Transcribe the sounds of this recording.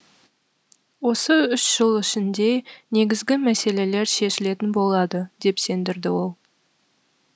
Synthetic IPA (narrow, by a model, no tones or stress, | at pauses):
wo̞səʏʃʒ̥əlˠɪʃɪnd̪e̞ne̞ɡʲɪzɡʲɪmæse̞le̞le̞ɾʃe̞ʃɪle̞t̪ɪnbo̞lˠɑd̪əd̪̥e̞pse̞nd̪ɪɾd̪ɪwo̞lˠ